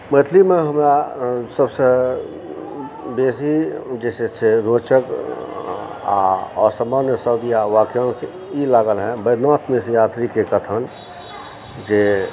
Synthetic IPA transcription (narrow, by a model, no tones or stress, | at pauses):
mət̪ʰlimẽɦəmɾasəbse | beːsid͡ʒɛːsesʰeɾoːt͡ʃək | a̰ɔ̰ːɾsəmaːnjəsəʊd̪ijaʋaːkjoːnse | ilaːɡəlɦɛ̃bəɪd̪naːt̪ʰmesejaːt̪ɾikekət̪ʰən | d͡ʒe